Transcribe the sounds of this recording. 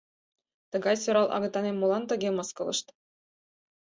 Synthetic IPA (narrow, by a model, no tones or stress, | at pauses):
t̪ɤ̆ɡɑjsoɾɑlˠʔɑ̰ɡɤ̆t̪ːɑnʲemulˠɑnt̪ɤ̆ɡʲemɤ̆skɤ̆lˠɤ̰̆ʂt̪